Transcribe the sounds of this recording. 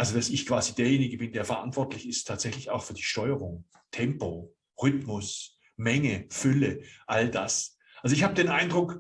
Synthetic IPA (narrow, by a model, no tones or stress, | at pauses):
ʔalzod̥asɪçkv̥aːzideːɐjeːnɪɡəbɪndeːɐfɛɐʔa̰ntv̥ɔɐtlɪçɪstʰaːtz̥ɛçlɪça̰ʊxfyːɐdiːʃtɔʏəʁ̞ʊŋ | tʰɛmpo | ʁʏtmʊs | mɛŋəfʏləʔaldas | ʔalzoɪçhaːbədeːnʔaɪndʁʊk